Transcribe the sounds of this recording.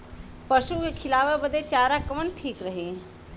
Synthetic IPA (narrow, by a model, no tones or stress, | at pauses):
pəʃukekʰɪlaːʋebəd̪et͡ʃaːɾakəʋənʈʰiːkɾəɦi